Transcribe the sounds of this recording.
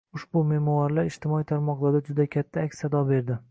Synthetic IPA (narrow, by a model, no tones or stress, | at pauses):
ʊʃbʊmemɒwaɾlaɾɪʃt̪ɪmɒijt̪ʰaɾmɒqlˠaɾd̪ad͡ʒʊd̪akʲʰat̪ʰːaakʲsad̪ɒbe̞ɾd̪ɪ